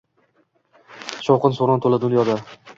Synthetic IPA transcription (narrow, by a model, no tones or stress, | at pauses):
ʃɒwqɨnsoɾɒnt̪ʰolad̪ʊnjɒd̪a